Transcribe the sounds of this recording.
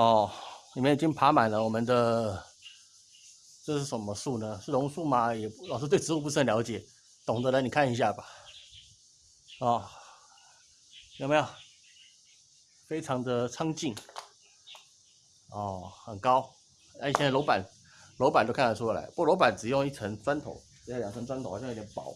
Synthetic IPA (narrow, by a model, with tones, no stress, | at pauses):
ɔ˥˩li˨mə˥ni˨˩t͡ɕi˥ŋpʰa˧˥ma˨˩nlə˦wɔ˨˩mə˦nd̪ə˧ | ʈ͡ʂɤ˥˧ʂɻ̩˥˩ʂə˧˥mə˧su˥˩nə˩ʂɻ̩˥˩lʊ˧˥ŋʂu˥˩ma˨jɛ˨˩lɑ˨˩ʂ̬̩˥˧t̪̬we˥˩ɪʈ͡ʂɻ̩˧˥u˥p̬u˥ʂ̩˥ə˧˩ljɑ˧˥ʊt͡ɕjɛ˨˩˦ | t̪o˨˩ŋd̪ə˦la˧˥ni˨˩kʰa˥˩ni˧˥ɕ̬ja˥˩ba˨˩ | ɔ˥˧˩ | jo˥˩ma˧˥jo˨˩ | fe˥ɪʈ͡ʂʰɑ˧˥ŋd̪ə˨ʈ͡ʂʰɑ˥ŋt͡ɕi˥˩n | ɔ˥˩xə˨˩nkɑ˥ʊ | na˥˧i˨˩˧jɛ˥˧na˥˩lo˧˥ʊpa˨˩˦n | lo˧˥p̬a˨˩njkʰnʰ˩a˥˩u˥a˥˩la̰˧˦ɪplo˧˥pa˨˩nʈ͡ʂɻ̩˨˩jʊ˥˧ŋi˥˩ʈ͡ʂʰə˧˥ŋt͡swa˥nt̪ʰo̰˨˧˦ʊ˨˧˥jɑ˨˩ŋʈ͡ʂʰə˧˥nt͡swa˥nt̪ʰo˨˩xt̪ʰʲjnpɑ˨˩˦